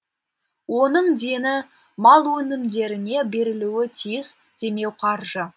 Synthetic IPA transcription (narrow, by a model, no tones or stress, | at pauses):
wo̞nəɴd̪e̞nɪ | mɑlˠwɵnɪmd̪e̞ɾɪne̞be̞ɾɪluwɪt̪ʰijɪz | d̪̥e̞me̞wqʰɑɾʒə